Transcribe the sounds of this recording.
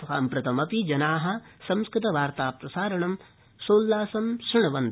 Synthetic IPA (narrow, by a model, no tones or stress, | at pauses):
ɦaːmpɾɐt̪ʰɐmɐpid͡ʒɐnaːɦɐ̆sɐ̃mskɾɪt̪ɐʋaːɾt̪aːpɾɐsaːɾɐɳɐm | soːlːaːsɐmʃɾɪɳ̃ɐʋɐnd̪